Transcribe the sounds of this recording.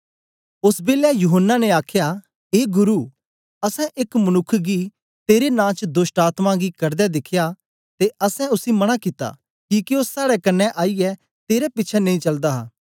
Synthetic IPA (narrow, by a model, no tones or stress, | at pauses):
ʊsbeːlɛjʊɦənːaneaːkʰja | eːɡʊɾu | ɐsɛ̃ʔɪkmɐnʊkʰːɡi | t̪eːɾenãːt͡ʃd̪osʈaːt̪mãɡikɐɾd̪ɛd̪ɪkʰːja | t̪eɐsɛ̃ʊsimɐɽ̃akɪt̪a̰ | kiːkiosːaːɽɛkɐnːɛʔaːijɛ | t̪eːɾɛpɪtːʃʰɛnɐ̃ĩt͡ʃɐld̪aɦaː